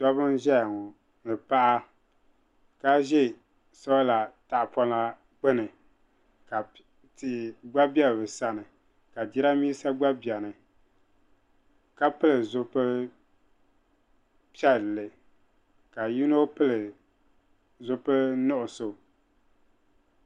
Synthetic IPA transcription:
dɔ˦βɨ˦nʒɛ˦a˨ŋɔ˨ | nɨ˨pa˦ʔa˦ | ka˦ʒɛ˦ | sɔ˦wla˨ta˨ʔpɔ˦na˦ | ɡ͡bɨ˦nɨ˨ | ka˨ | tɪ˨ʔɪ˨ɡ͡ba˦bjɛ˦lbɨ˨sa˨nɨ˨ | ka˨di˦ɾa˦miː˦sa˦ɡ͡ba˦bi˨ɛ˨nɨ˨ | ka˦pɨ˦lɨ˨zʊ˦pɨ˦ | pi˦ɛ˦˨lːɨ˨ | ka˨ji˦no˦pɨ˦lɨ˨ | zʊ˦pɨ˦nɔ˦ʔʊ˨so˨

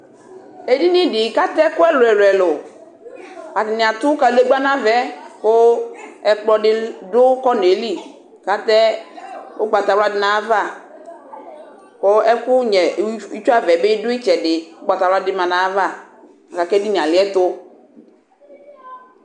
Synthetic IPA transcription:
e˨di˦nĩ˦dɪ˨ka˦t̪ɛ˦kʊ˦ɛ˦lʊ˨ɛ˨ɾɛ˨lʊ˨ | a˨dɪ˨nɪ̃˨a˨t̪ʊ˦ka˨le˦ɡ͡ba˦nã˦vɛ˨˦kʊ˦ɛ˨k͡plɔ˦dɪ˦dʊ˦kɔ˦n˨e˨li˦ | ka˦t̪ɛ˦ | ʊ˦ɡ͡ba˨t̪a˨wla˦dɪ˦nã˨˦va˦˨ | ko˦ɛ˦kʊ˦ɲɛ˨˦i˦t͡ʃu˦a˦vɛ˨bɪ˦dʊ˦i˦t͡ʃɛ˨dɪ˨ʊ˦ɡ͡ba˨t̪a˨wla˦dɪ˦mã˨nã˨˦va˦˨ | a˨ka˨kɛ˦di˦nĩ˨a˨lɪ˨˦ɛ˦t̪ʊ˦

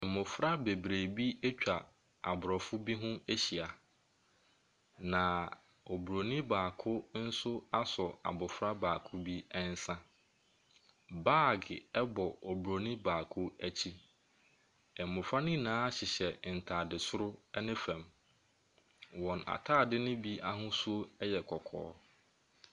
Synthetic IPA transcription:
ɛ˨mʊ̃˨fɾa˦be˨bɾeː˨bi˦e˦t͡ɕᶣa˨ | a̰˨bʊ˨ɾɔ˨fʊ˦bi˦ɦʊ̃˦e˦ɕi˨a˨ | nã˨ | o˨bu˨ɾo˨nĩ˦baː˨kʰʊ˦n̩˦sʊ˦a˦sɔ˨a̰˨bʊ˨fɾa˦baː˨kʰʊ˦bi˦ɛ˦n̩˦sã˦ | baː˦˨ɡɪ˨ɛ˦bɔ˨o˨bu˨ɾo˨nĩ˦baː˨kʰʊ˦æ˦t͡ɕʰi˦ | ɛ˨m˨mʊ̃˨fɾa˦nɪ̃˦˨nãː˦ɕɪ˨ɕɛ˨n̩˨tʰa˨dɪ˨sʊ˦ɾʊ˦ɛ˦nɪ̃˦fɛ̃˨m | wɔ̃˨na̰˨tʰaː˦˨dɪ˦nʊ̃˦bi˦ʔa˦ɦʊ̃˦su˦o˦ɛ˦jɛ˨kʰɔ˨kʰɔ̰ː˦

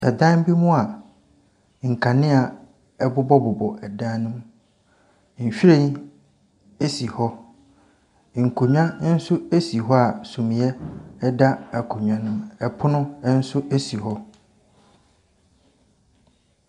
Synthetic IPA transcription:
ɛ˨dã˦n˦bi˦mũ˦a˨ | ŋ̩˨kʰa˨nɪ̃˦a˨ | ɛ˦bʊ˦bɔ˦bʊ˨bɔ˨ʔɛ˨dã˦nʊ̃˦m | ɲ̩˨ɕᶣi˦ɾe˦ | e˦si˨hɔ˦˨ | ŋ̩˨kʰo˨ɲᶣã˦n̩˦sʊ˦e˦si˨ɦɔ˦a˨sũ˨mĩ˨ɛ˦ɛ˦da˦a˨kʰo˨ɲᶣ˨ã˦nʊ̃˦mɛ˨pʰʊ˦nʊ̃˦n̩˦sʊ˦e˦si˨hɔ˦

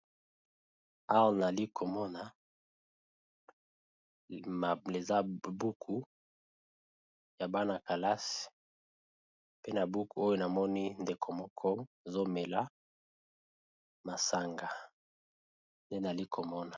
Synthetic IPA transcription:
a˦wna˨li˦kʰo˨mɔ˦na˨ | ma˨e˨za˦bu˦kʰu˨ | ja˨ba˦na˨ka˨la˦si̥˨ | pe˦na˨bu˦ku˨o˦jo˦na˨mɔ˦ni˦nde˨kʰo˨mɔ˦kʰɔ˦e˨zo˦me˨la˦ | ma˨sa˨ŋɡa˨ | nde˦na˨li˦kʰo˨mɔ˦na˨

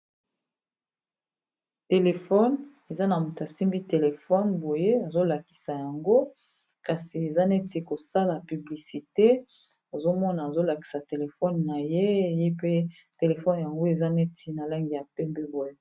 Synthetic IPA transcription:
te˨le˨fɔ˦n | e˨za˦na˨mu˨ta˨si˦mbi˦te˨le˨fɔ˦nbo˨je˦a˨zo˦la˨ki̥˨sa˨ja˨ŋɡo˦ | ka˨si˨e˨za˦ne˦ti˦ko˨sa˦la˨py˨bli˨si˨te˦ | o˨zo˦mɔ˦naː˨zo˦la˨ki̥˨sa˨te˨le˨fɔ˦nːa˨je˦˨je˦pe˦ | te˨le˨fɔ˦n˨ja˨ŋɡo˦e˨za˦ne˦ti˦na˨la˦ŋɡi˨ja˨pɛ˦mbɛ˦bo˨je˦

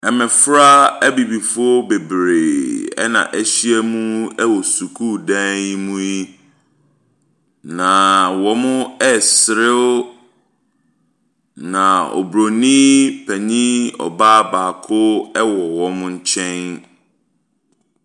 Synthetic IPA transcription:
ɛ˨mɛ̃˨fɾa˦æ˦bi˨bi˨fʊ˦ɔ˦be˨bɾe˨ɛ̰˦nã̰˨ʔæ˦ɕi˦ɛ˦mũ˦ɛ˦wɔ˨su˨kʰu˦dɛ̃˦ji˦mũ˦ji˦ | nã˨wɔ̃˨mʊ̃˦ɛ˦sɪ˨ɾɪ˦ | nã˨ɔ̰˨bɾo˨nĩ˦pʰɛ˨ɲĩ˦ɔ̰˨baː˦baː˨kʰʊ˦ɛ˦wɔ˨wɔ̃˨mʊ̃˦ɲ̩˦t͡ɕʰɛ̃˦n

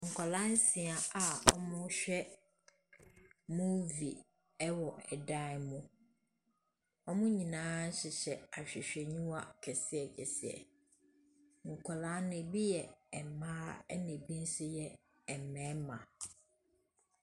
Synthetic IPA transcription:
ŋ̩˨kʰɔ˨lã˦n̩˦sĩ˨a˨a˨ɔ̰˦mʊ̃˦ɕᶣɛ˦ | mʊ̃˦vḭ˨ | ɛ˦wɔ˨ɛ˨dã˦˨mʊ̃˦ | ɔ˦mʊ̃˦ɲĩ˨nãː˦n̩˦ɕɪ˨ɕɛ˨a˨ɕᶣɛ˨ɕᶣɛ˨ɲũ˦wa˦kʰɛ˨sɪ˦ɛ˨kʰɛ̰˨sɪ˦ɛ̰˨ | ŋ̩˨kʰɔ˨lã˨˦nɛ̃˨bi˦jɛ˨ɛ˨mãː˦ɛ̰˦nẽ˨bi˦n̩˦sʊ˦jɛ˨ | ɛ˨mɛ̃˨˦mã˨

